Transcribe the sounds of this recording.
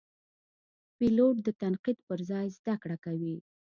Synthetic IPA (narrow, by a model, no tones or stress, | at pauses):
piloʈ̚d̪ət̪anqid̪pəɾzɑjzd̪akɽakawi